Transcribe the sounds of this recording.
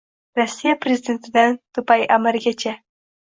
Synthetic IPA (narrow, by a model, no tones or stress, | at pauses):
ɾasijapɾezɪd̪ent̪d̪ant̪upajʔamaɾɡʲat͡ʃa